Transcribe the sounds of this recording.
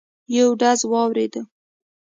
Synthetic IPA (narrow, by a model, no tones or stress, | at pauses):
jawɖazwɑwɾed̪ə